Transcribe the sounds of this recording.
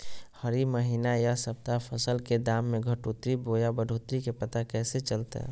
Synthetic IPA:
həɾiməɦiːnajasəp̚t̪apʰəsəlked̪aːmːẽɡʱəʈut̪ɾiboːjabəɖʱoːt̪ɾikepət̪akɛːset͡ʃəlt̪a̰

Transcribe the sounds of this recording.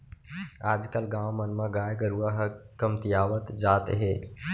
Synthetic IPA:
aːd͡ʒkɐlɡãːwmɐnmãɡaːjɡəɾuːaɦkɐmt̪ijaːʋət̪d͡ʒaːt̪ɦeː

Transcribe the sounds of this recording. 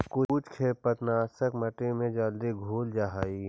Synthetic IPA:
kʊut͡ʃkʰeːpət̪naːsəkməʈemẽd͡ʒəld̪iɡʱuːld͡ʒaɦaːiː

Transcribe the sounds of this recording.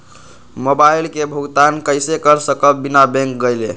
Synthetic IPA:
mobailkebʱuɡt̪ankəjsekəɾsəkəbinabẽŋk̚ɡəjlḛ

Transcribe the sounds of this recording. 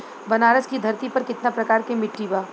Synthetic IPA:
bɐnaːɾəskid̪ʱɐɾt̪ipɐɾkɪt̪napɾɐkaːɾkemɪʈːiːbaː

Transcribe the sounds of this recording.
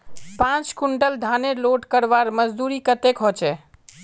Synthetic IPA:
pãt͡ʃkuɳɖəld̪ʱaneloʈkəɾʋaɾməd͡ʒd̪uɾikət̪ekɦot͡ʃɛ

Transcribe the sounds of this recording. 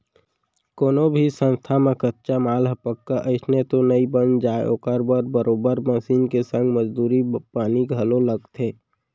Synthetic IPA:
koːnobʱisə̃nst̪ʰamẽkətːt͡ʃamaːlɦəpəkːaʔəɪsnet̪onəibənd͡ʒaːo̰ːkəɾbəɾbəɾoːbəɾməsiːnkesə̃ŋɡməd͡ʒd̪uːɾipaːniɡʱəloləɡt̪ʰeː

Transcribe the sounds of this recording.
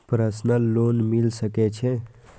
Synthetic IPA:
pɾəsnəlːoːnmilsəket͡ʃʰɛ

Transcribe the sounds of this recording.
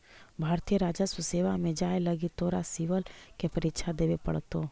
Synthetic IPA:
bʱaːɾt̪ijəɾaːd͡ʒasuseːʋamẽd͡ʒaːeləɡit̪oːɾasiʋəlkepɐɾɪtʃʰad̪eːʋepə̰ɽt̪o

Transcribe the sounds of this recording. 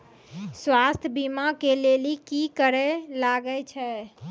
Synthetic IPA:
swast̪ʰəbimakelelikikəɾɛlaɡɛt͡ʃʰɛ

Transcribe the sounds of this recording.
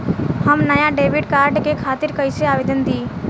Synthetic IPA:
həmnɐjaɖeːʋɪɖkaːɾɖkekʰaːt̪ɪɾkəjseaːʋeːd̪ənd̪iː

